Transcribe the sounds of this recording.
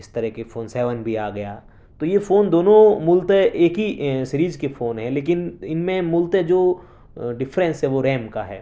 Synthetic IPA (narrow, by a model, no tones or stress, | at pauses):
ɪst̪ɐɾɛɦkefoːnsɛːʋənbʱiaːɡɐjaː | t̪ojefoːnd̪oːnõmʊlt̪ɛ̃ʔeːkɦisɪɾiːd͡ʒkefoːnɦɛ̃leːk̬ɪnɪnmẽmʊlt̪ẽd͡ʒoː | ɖɪfɾɛ̃nsɦɛʋoɾɛːmkaɦɛ̰ː